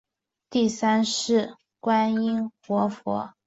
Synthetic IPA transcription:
t̪i˥˩sa˥nʂɻ̩˥˩ | kwa˥ni˥nxwɔ˧˥fwɔ̰˧˥

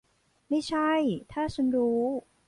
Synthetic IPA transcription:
ma˥˩jt͡ɕʰa˥˩jt̪ʰaː˥˩t͡ɕʰa˧˥nɾuː˦˥

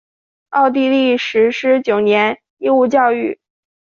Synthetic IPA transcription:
ɑ˥˧ʊt̪̬i˥˧li˥˩ʂɻ̩˧˥ʂɻ̩˥t͡ɕjo˨˩ʊnjɛ˧˥n | i˥˧u˥˧t͡ɕjɑ˥˧ʊy˥˩

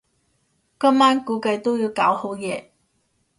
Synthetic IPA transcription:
kɐ˥mːaː˥nkuː˨˥kɐ˧jt̪o˥wji˨˧wkaː˨˥who˨˥wjɛː˨˧

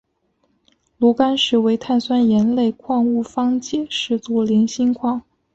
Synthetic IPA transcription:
lu˧˥ka˥nʂɻ̩˧˥˩we˧˥ɪt̪ʰa˥˩nswa˥njɛ˧˥nle˥˩˧ɪkʰwɑ˥˧ŋu˥˩fɑ˥ŋt͡ɕjɛ˨˩ʂɻ̩˥˩t͡su˧˥li˧˥ŋɕi˥ŋkʰwɑ˥˩ŋ

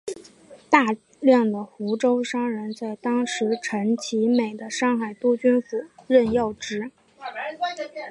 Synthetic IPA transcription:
t̪a˥˧ | ljɑ˥˩ŋd̪ə˩xu˧˥ʈ͡ʂo˥ʊʂɑ˥ŋɻə˧˥nt͡sa˥˩ɪt̪ɑ˥ŋʂɻ̩˧˥ʈ͡ʂʰə˧˥ŋt͡ɕʰi˧˥me˨˩ɪd̪ə˦ʂɑ˥˩ŋxa˨˩ɪt̪u˥t͡ɕy˥nfu˨˩ɻə˥˧njɑ˥˩ʊʈ͡ʂɻ̩˥

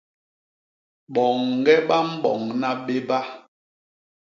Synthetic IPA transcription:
ɓɔ˨ŋ˨ɡɛ˦ɓa˦m̩˦bɔ̰˨ŋna˦ɓe˦ba˦

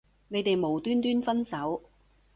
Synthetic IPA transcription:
ne˨˧jt̪e˨jmo˨˩wt̪yː˥nt̪yː˥nfɐ˥nsɐ˨˥w

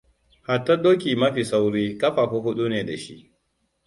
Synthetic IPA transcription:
ha˨tːɐ˦doː˦k̬ʲiː˨mɐ˦ɸiː˨sa˦wɽiː˦kɐ˦ɸa˨ɸu˦ɦʊ˦ɗu˦neː˨da˨ʃḭ˦ʔ

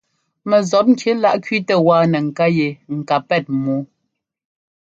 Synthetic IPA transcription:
mɛ˨zɔ˨˦p̚ŋ̩˦kʰje˨˦la˦ʔkɥi˦tə˦waː˦˨nɛ˨ŋ̩˨ka˦je˨ŋ̩˨ka˨pɛ˦˨t̚muː˨˦

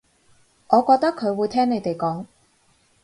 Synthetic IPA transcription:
ʔɔː˨˧kɔː˧k̚t̪ɐ˥kʰːɵ˨˧ɥwuː˨˧jt̪ʰɛː˥ŋne˨˧jt̪e˨jkɔː˨˥ŋ

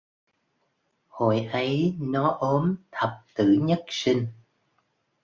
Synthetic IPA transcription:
ho̰˧˨jʔə˨˦jnɔ˨˦ʔo˨˦mt̪ʰə˨˩p̚t̪ɨ̰˧˩ɲə˦˥t̚si˧ŋ̟

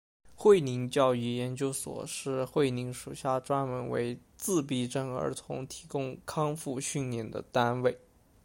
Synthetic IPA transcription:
xwe˥˩ɪni˧˥ŋt͡ɕjɑ˥˧ʊy˥˩jɛ˧˥nt͡ɕjo˥ʊswɔ̰˨˩ʂɻ̩˥˧xwe˥˩ɪni˧˥ŋʂu˨˩ɕja˥˩ʈ͡ʂwa˥nmə˧˥nwḛ˧˥ɪ | t͡sɹ̩˥˧p̬i˥˩ʈ͡ʂɤ˥˩ŋə̰˞˧˥t̪ʰʊ̰˧˥ŋt̪ʰi̥˧˥kʊ˥ŋkʰɑ˥ŋfu˥˧ɕy˥˩nljɛ˥˩nd̪ə̰˧˩t̪a˥nwe˥˩ɪ

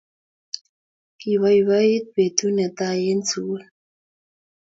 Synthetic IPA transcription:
ki˨βa˦i˨βa˦je˦t̪̚be˨tu˦nɛ˨t̪a˦je˦n˦t͡su˦

